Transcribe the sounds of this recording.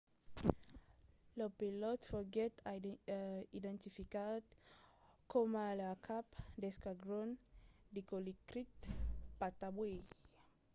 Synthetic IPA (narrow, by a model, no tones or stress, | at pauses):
lɔpilɔtfɔɡɛt | idɛ̃ntifikad | kʰɔmalakʰapdɛskaɡɾɔ̃ndikolikɾit̪pat̪abwe